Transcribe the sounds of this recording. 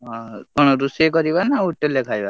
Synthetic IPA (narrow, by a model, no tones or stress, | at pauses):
ɦɔ̃kɔɽ̃ɔɾusekɔɾibanauʈelekʰajba